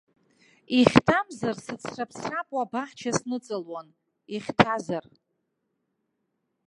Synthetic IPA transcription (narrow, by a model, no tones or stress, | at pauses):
iχʲtʰamzarsɨt͡sʰrapʰsrapʼwabaħt͡ʃʰasnɨt͡sʼɨlwan | iχʲtʰazar